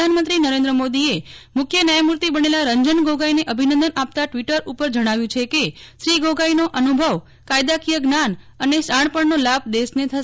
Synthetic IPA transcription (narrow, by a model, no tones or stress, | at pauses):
anmə̃nt̪ɾinəɾẽnd̪ɾəmod̪iemʊkʰjənəjmuɾt̪ibənelaɾəɲd͡ʒənɡʱoɡaineʔəbʱinə̃nd̪ənap̚t̪aʈʋiʈəɾupəɾd͡ʒəɽ̃aʋjũt͡ʃʰekeʃɾiɡoɡainoʔənubʱəʋ | kajd̪akijəɡnan | əneʃaɳ̃pəɳnolab̚d̪esnet̪ʰəʃ